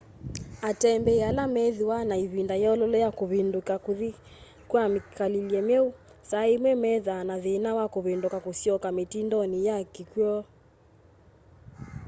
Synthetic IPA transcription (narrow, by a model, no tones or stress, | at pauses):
atɛmbɛalamɛðiwanaiβindajɔlɔlɛjakuβindukakuði | kwamikaliliɛmɛu | saimwɛmɛðanaðinawakuβindukakusiɔkametindɔnijakikjɔ